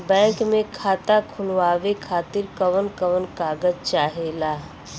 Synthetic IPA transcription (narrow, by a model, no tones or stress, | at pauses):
bɛ̃ːŋkmẽkʰaːt̪akʰʊlʋaːʋekʰaːt̪ɪɾkəʋənkəʋənkaːɡəzt͡ʃaːɦelaː